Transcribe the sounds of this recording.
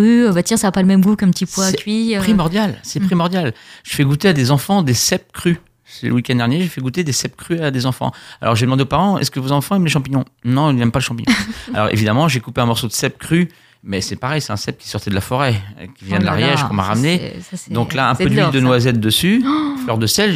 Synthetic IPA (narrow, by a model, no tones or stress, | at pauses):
yøbat̪jɛ̃saːpaləmɛmɡukɛ̃pət̪ipwasɛkʲɥipχimɔʁd̪jalsɛpχimɔʁd̪jalʒ̥əfɛɡut̪ead̪ezɑ̃fɑ̃d̪esɛp̚kχy | sɛlə̰wikʲɛ̃nd̪ɛʁnjeʒefɛɡut̪ed̪esɛp̚kχyad̪ezɑ̃fɑ̰̃a̰lʔɔ̰ʁʒed̪əmɑ̃d̪eopaʁɑ̃ɛ̰skəvozɑ̃fɑ̃ɛmleʃɑ̃piɲɔ̃nɔ̃ilzɛmpaləʃɑ̃piɲɔ̃a̰lɔ̰ʁḛvid̪amɑ̃ʒekupeɛ̃mɔʁsod̪əsɛpkχy | mɛsɛpaʁɛjsɛ̥t̪ɛ̃sɛp̚kʲi̥sɔʁt̪ɛd̪əlafɔʁɛ̰kʲivjɛ̃d̪əla̰ʁjɛʒppuʁma̰ʁamned̪ɔ̃klaɛ̃pøvid̪ənwazɛt̪̚d̪əsyflœʁd̪əsɛl